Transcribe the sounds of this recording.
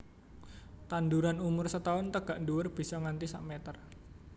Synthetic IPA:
t̪and̪uɾanumʊrsət̪aʊnt̪əɡ̥aʔnduwʊrb̥i̤sɔŋant̪isa̰ʔmet̪ər

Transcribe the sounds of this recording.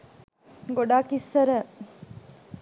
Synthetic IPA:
ɡoɖaːkisːɐɾə

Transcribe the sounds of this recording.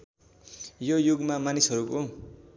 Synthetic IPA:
jojuɡmamanisɦʌɾuko

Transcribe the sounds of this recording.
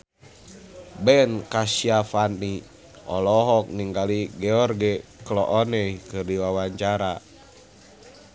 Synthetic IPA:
bɛnkasiafani | ɔlɔɦɔk̚niŋɡaliɡɛɔrɡɛklɔʔɔnɛikɨrdiwawaɲt͡ʃaɾa

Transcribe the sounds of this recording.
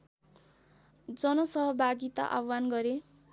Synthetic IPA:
d͡zʌnʌsʌɦʌbʱaɡit̪a̰ʔa̰wːanɡʌɾe

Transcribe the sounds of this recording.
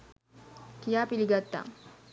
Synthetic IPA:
kijaːpiliɡat̪ːa̰

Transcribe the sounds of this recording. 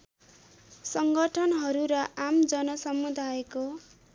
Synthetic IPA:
sʌŋɡʌʈʰʌnɦʌɾuɾʌʔamd͡zʌnʌsʌmud̪ʱajeko

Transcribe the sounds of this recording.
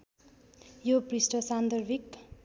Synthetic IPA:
joprisʈʌsand̪ʌrbʱik

